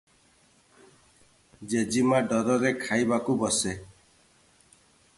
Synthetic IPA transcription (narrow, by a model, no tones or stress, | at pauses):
d͡ʒed͡ʒimaɖɔɾɔɾekʰajbakubɔse